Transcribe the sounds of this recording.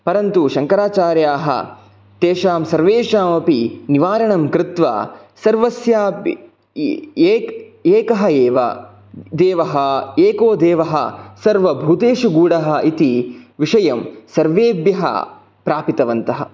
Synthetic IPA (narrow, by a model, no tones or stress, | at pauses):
pɐɾɐnt̪uʃɐŋkɐɾaːt͡ʃaːɾjaːɦɐ̰ | t̪eːʃaːmsɐɾʋeːʃaːmɐpiniʋaːɾɐɳɐmkɾɪt̪ʋa̰ːsɐɾʋɐsjaːp | eːkɐɦɐeːʋɐ̰ | d̪eːʋɐɦɐeːkoːd̪eːʋɐɦɐ̰sɐɾʋɐbʱuːt̪eːʃuɡuːɽɐɦɐʔit̪iʋiʂɐjɐmsɐɾʋeːbjɐɦɐ̰ | pɾaːpit̪ɐʋɐnt̪ɐɦɐ̰